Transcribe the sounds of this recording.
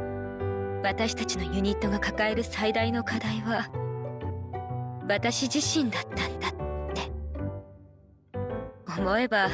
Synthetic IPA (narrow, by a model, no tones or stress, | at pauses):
βat̪aɕi̥t̪at͡ɕino̞jɯ̟ɲ̟it̪ːo̞ɡakakae̞ɾɯ̟said̪aino̞kʰad̪aiβa | βat̪aɕiʑiɕĩnd̪at̪ːãnd̪atːe̞ | o̞mo̞e̞ba